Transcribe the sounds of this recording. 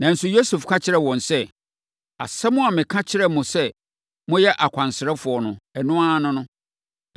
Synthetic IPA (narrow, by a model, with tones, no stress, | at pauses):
nã˨n̩˦sʊ˨jo˦su˨fkʰã˦t͡ɕʰɪ˦ɾɛ˦˨wɔ̃˨nsɛ˦ | a̰˨sɛ˦mʊ̃˦a˨mɪ̃˨kʰã˦t͡ɕʰɪ˦ɾɛ˦mʊ̃˨sɛ˦ | mʊ̃˦jɛ˦ʔa˨kʷʰã˨nsɪ˨ɾɛ˦fʊ˨ɔ˨nʊ̃˨ɛ˨nʊ̃˦aː˦nʊ̃˦nʊ̃˦